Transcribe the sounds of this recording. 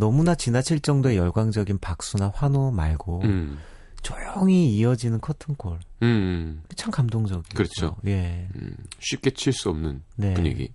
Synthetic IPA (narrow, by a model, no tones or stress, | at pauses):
nʌmunat͡ɕinat͡ɕʰiɭt͡ɕ͈ʌŋdoe̞jʌɭɡwaŋd͡ʑʌɡinpak̚s͈unaɸwanomaɭɡo | t͡ɕojʌŋiːʌd͡ʑinɯnkʰʌtʰɯnkʰoɭ | t͡ɕʰaŋkamdoŋd͡ʑʌɡikɯɾʌt͡ɕʰo̰je̞ | ɕʰɥip̚k͈e̞t͡ɕʰiɭs͈uʌmnɯnne̞uɲḛɡḭ